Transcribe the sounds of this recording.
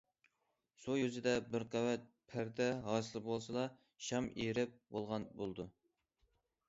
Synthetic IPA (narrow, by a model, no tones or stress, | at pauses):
sojyzɪd̪ɛbɪɾqæwɛt̪̚pʰæɾd̪ɛɦɑːsɨlˠɨpbolˠsɨlˠɑ | ʃɑmeɾɪp̚bolˠʁɑnbolˠd̪u